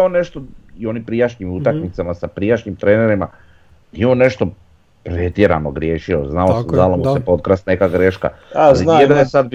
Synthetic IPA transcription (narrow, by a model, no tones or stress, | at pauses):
one̞ʃt̪oio̞ːnimpɾijaʃɲimut̪akmit̪samasapɾijaʃɲimt̪ɾeːne̞ɾima | jione̞ʃt̪o̞ | pɾet̪je̞ɾa̰noɡɾje̞ːʃioznaosd̪alomusepo̞t̪̚kɾasnekaɡɾe̞ʃka̰ed̪anjesad̪̚b